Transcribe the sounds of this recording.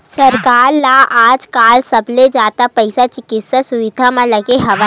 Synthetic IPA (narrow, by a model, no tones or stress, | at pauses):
sɐɾkaːɾlaʔaːd͡ʒkaːlsɐbʱled͡ʒaːt̪apɛɪsat͡ʃɪkɪt̪sasʊʋɪd̪ʱamãlɐɡeɦɐʋa